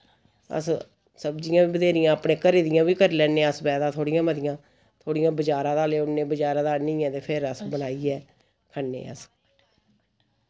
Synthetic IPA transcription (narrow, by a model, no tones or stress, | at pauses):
ə̰s | səbd͡ʒɪjãːiːbəd̪eːɾɪjãːəpɽẽːkəɾeːd̪ɪjãːʋiːkəɾlɛːnẽːəsbɛːd̪ãːt̪ʰoːɽɪjãːməd̪ɪjãː | t̪ʰoːɽɪjãːbəd͡ʒaːɾãːd̪aːleːʊnːeːbəd͡ʒaːɾãːd̪aːnĩːɛ̃ːt̪eːpʰɪɾəsbənaːiːɛː | kʰənːḛ̃ːə̰s